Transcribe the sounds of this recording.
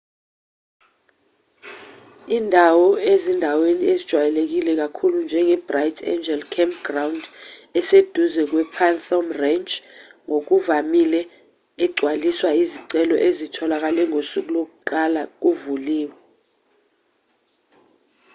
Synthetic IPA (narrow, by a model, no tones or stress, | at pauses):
iːndʱawɔezindʱaweniezid̥ʒ̥ʱwajɛlek̬ilɛk̬akʰulund͡ʒʱɛŋɛb̥rajtʰɛ̰nd͡ʒɛlkʰɛmpɡ̥rawndɛsed̥ʱuzɛk̬wɛpʰanθomrɛnt͡ʃʼŋok̬uvamilɛ | ɛɡ͡ǀʱwaliswaiziǀɛlɔ̰ʔezitʰɔlak̬alɛŋosuk̬ʼulok̬uǃalak̬uvuliːwɛ